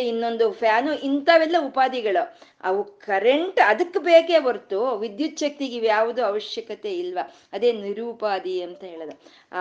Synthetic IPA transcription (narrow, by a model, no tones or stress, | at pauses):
inːo̞nd̪upʰjaːnuʔint̪ɐʋɛlːɐupaːd̪iɡɐɭu | ɐ̰ʋukɐɾeɳʈɐd̪ɐkːbeːkeːbɐɾt̪uʋid̪jut̪ːʃɐk̚t̪iɡiʋjaːʋud̪uɐʋɐʃjɐkɐt̪e̞ilʋɐ | ɐd̪e̞ːniɾuːpaːd̪iɐnt̪ɐɦeːɭɐd̪u